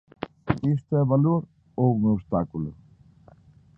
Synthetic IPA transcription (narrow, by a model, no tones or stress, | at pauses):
est̪oɛβaloɾ | ounost̪akulṵ